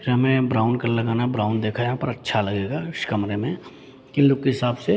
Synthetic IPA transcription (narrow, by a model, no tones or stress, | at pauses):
ɾɦɐmẽbɾaːʊnkɐɾlɐɡaːnabɾaːʊnd̪eːkʰajɦaːpɐɾɐtːʃʰalɐɡeːɡaɪʃkɐmɾemẽ | kɪnlʊkkeɦɪsaːbse